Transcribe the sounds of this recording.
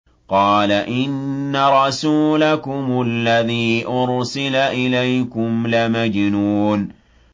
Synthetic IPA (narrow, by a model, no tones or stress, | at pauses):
qɑːlaʔɪnːaɾˤɑsuːlakʊmʊlːaðiːʔʊɾsɪlaʔɪlajkʊmlamad͡ʒnuːn